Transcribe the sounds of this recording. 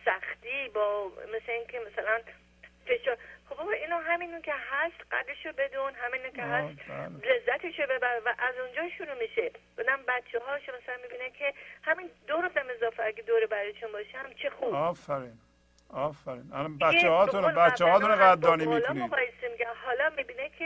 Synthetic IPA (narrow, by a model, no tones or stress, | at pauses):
sæxt̪iːbɒːmesleiːŋkʲʰemasælæn | fe̞ʃɒːɾχobbɒbɒʔinɒːɦæminucʲʰehæst̪ɢæ̰d̪eʃobe̞d̪unɦæminukʲʰeɦæt̪ble̞zːæt̪ʰeʃobebæɾevæʔæzund͡ʒɒːʃuɾuːmiʃe̥ | ɒd̪æmbæt̪t͡ʃʰːeɦɒːʃomasælænmibiːnækʲʰehæmiːnd̪oɾufd̪æme̞zɒːfæɡʲed̪oːɾebæɾɔjt̪ʰunbɒːʃmt͡ʃʰexubɔːfæɾin | ɒːfæɾinalɔnbæʃehɒːt̪ʰunlbæt͡ʃːeɒːt̪unɡæd̪ːɔːnimiklɒnioɣɒːjesemiɡʲæmɦɒːlɒːmibiːnekʲʰe